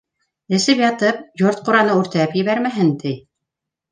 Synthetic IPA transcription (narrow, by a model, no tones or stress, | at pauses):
ɘ̆sɘpjɑt̪ɤp̚joɾt̪̚quɾɑnɤʉɾt̪æpjɘ̆βæɾmæɦɘnt̪ij